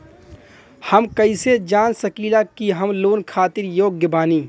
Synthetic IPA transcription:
həmkəised͡ʒaːnsəkiːlakiɦəmloːnkʰaːt̪ɪɾjoːɡjəbaːniː

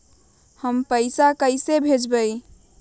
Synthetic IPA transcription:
həmpəɪsakəɪsebʱed͡ʒbəɪ

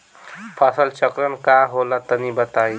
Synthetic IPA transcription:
pʰasəlt͡ʃəkɾənkaɦolat̪ənibət̪ai

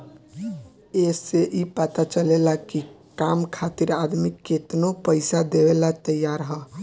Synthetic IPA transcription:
eseʔipət̪at͡ʃəlelaki | kamkʰat̪iɾad̪mikːet̪nopəɪsad̪ewelat̪əjaɾɦɔ

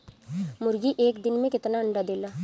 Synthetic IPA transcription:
mʊɾɡiʔeːkd̪ɪnmẽkɪt̪naəɳɖad̪eːlaː

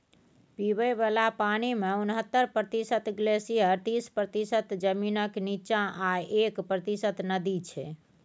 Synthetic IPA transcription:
piβəbalapanimeunɦət̪ːəɾpɾət̪isət̪ɡlesijəɾt̪ispɾət̪isət̪d͡ʒəminəknit͡ʃãʔaekpɾət̪isət̪nəd̪it͡ʃʰɛ

